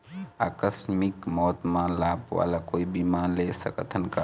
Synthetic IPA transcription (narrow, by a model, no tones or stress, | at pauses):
akəsmikmɔt̪mãlapʋa̰lakoibimanlesəkət̪ʰənka